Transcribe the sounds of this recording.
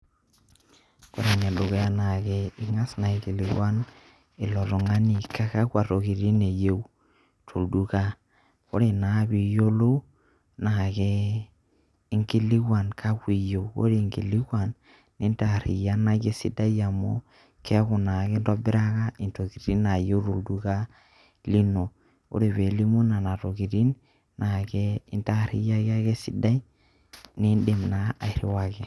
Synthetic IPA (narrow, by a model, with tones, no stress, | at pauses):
ko˦ɾe˨ne˨lo˨ɣe˦a˦na˨ke˦ɪ˦ŋa˦sna˨i˨ki˨li˨ɡwa˦n | ɪ˨lɔ˨to˨ŋa˦ni˨ka˦ka˦kwa˨to˨ki˨ɾi˦ne˨je˦w | tʰo˨ldu˦ka˦ | ko˦ɾe˨na˨˦bi˨jo˦lo˦ | na˨ke˦ | ŋɡi˦li˦kwa˨nkʰa˦kʷi˨je˨wko̰˦ɾe˨ŋɡi˨li˦kwa˨nː | i˦nta˨ɾḭ˨ja˦na˦ɡe˦sḭ˦da˦ja˨mo̰˦ | ke˦ku˨na˨ɡe˦nto˦bi˦ɾa˦ka˦i˨nto˨ki˨ɾi˦na˨jo˦ɾu˨ldu˦ka˦ | li˦no˨ | o̰˦ɾe˨βe˨li˦mu˦na˨na˨to˨ki˨ti˦n | na˨ke˦i˦nta˦˨ɾḭ˦ja˦ɡa˦ɡe˦si˦da˦j | ni˦nde˨mna˨a̰˨i˨ɾḭ˦wa˦ke˨